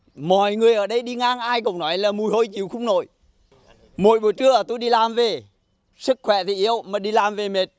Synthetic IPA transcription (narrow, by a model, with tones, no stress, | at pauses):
mɔ˧˨jŋɨ˨˩əjʔəː˧˩ɗə˧jɗi˧ŋaː˧ŋʔaː˧jko̰˧˨wŋ͡mnɔ˨˦jlaː˨˩mu˨˩əjho˧jt͡ɕi˨wxʊ˧wŋ͡mno̰˧˨j | mo̰˧˨jɓu˨˩t͡ɕɨ˧˦əʔəː˨˩t̪o˧jɗi˧laː˨˩mve˨˩ | sɨ˦˥k̚xwɛ˧˩t̪ʰi˨˩ʔi˧əwmaː˨˩ɗi˧laː˨˩mve˨˩me˨˩t̚